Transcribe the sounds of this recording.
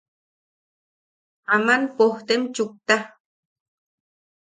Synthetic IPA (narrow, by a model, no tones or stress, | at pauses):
amanpoht̪emt͡ʃuk̚t̪a